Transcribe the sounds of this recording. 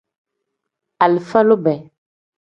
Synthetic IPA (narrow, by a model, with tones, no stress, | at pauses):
a˨lfɛ˦lo˦bɛ˨